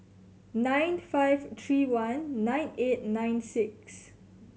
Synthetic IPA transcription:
nãjnfajvt̪ʰɹiwãnːãj̃net̚nãj̃nsiks

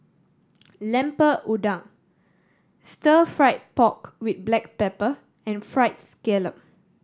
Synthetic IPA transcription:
lɛ̃mpəʔudãŋ | stəfɹaɪt̚pɔkwit̪̚blɛk̚pɛpə | ɛ̃nfɹaɪt̚skɛləp̚

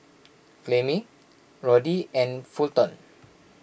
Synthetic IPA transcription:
flemĩ | ɹɔdiɛ̃nfult̪ɔ̃n

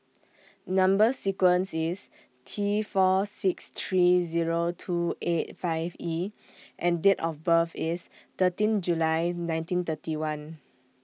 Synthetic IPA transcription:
nãmbəsikwə̃nsis | tʰifɔsikst̪ʰɹiziɹotʰuʔet̚faɪvi | ʔɛ̃ndetɔfbəfist̪ətĩnd͡ʒulajnãj̃ntĩnt̪ətiwãn

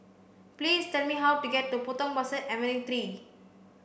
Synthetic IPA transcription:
plistɛlmiɦawtuɡɛt̚ːupotɔ̃ŋbasəɛvə̃nĩt̪ɾi

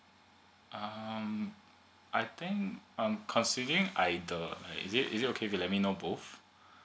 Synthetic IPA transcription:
ʔʌm | ʔaɪt̪ɪ̃ŋkʌ̃mkʰɔ̃nsidəɹĩŋʔaɪdəla̰ɪkḭzitḭzit̚okʰefilɛt̚minobof

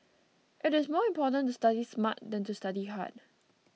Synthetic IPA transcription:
ʔɪɾɪsmɔɪ̃mpɔtə̃ntustadismat̚dɛ̃ntustadiɦa̰t̚

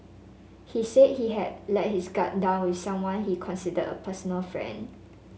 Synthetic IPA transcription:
hiset̚hiɦɛd̚lɛt̚hisɡat̚dãʊnwiθsãmwãnhikʰɔ̃nsidədə̰pʰəsɔnəlfɹɛ̰̃nd

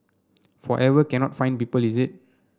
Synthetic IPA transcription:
fɔʔɛvəkɛ̃nɔtfãj̃npipəlizit̚

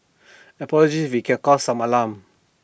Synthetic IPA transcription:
ɛpɔlɔd͡ʒiswikɛ̃nkɔsãmalãm

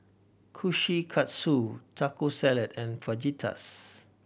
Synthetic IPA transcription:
kʰuʃikʰatsutʰakosɛlɛtɛ̃nfad͡ʒitʰa̰s

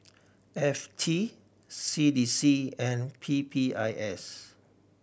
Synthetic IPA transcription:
ɛftʰi | sidisiɛ̃npʰipʰiaɪʔɛs

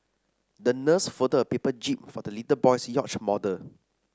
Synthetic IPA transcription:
dənəsfədəəpepəd͡ʒip̚fɔdəlitəbɔjsjɔt͡ʃmɔdə

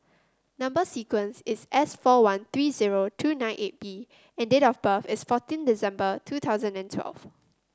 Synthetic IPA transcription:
nãmbəsikwə̃nsɪsʔɛsfɔwãnt̪ɹiːziɹotʰuːnãɪ̃nʔet̚b̥i | ɛ̃ndetɔfbəfɪsfɔtĩndizɛ̃mbətʰut̪ʰaʊzə̃ndɛ̃ntʰwɛ̰lv̥

